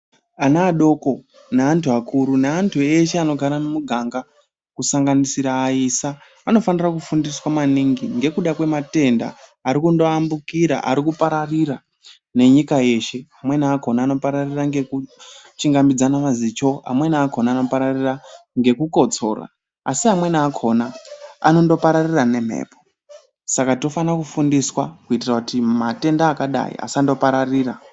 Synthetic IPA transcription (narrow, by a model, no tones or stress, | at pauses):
anaːɗo̞ko̞ | naantʰuakʰuɾunaantʰue̞ʃeano̞ɡʱaɾanemuɡʱaŋɡa | kusaŋɡanisiɾaːiːsaː | no̞fanirakufundiswamaniŋɡiŋɡe̞kuɗakwe̞mate̞nda̰ːɾikundoambukiɾa̰ʔa̰ɾikupaɾarira | ne̞ɲikaje̞ʃe̞amwe̞niako̞naːno̞paɾariraŋɡe̞kut͡ʃiŋɡamid͡zanamazit͡ʃo̞a̰mwe̞niakʰo̞naːno̞paɾariraŋɡe̞kuko̞t͡so̞̰ːra̰ː | siamwe̞nakʰo̞naa̰no̞ndo̞paɾarirane̞m̤ḛːpo | sakatofanakufundiswakuitirakutimate̞ndaːkaɗa̰ḭa̰sando̞paɾariːra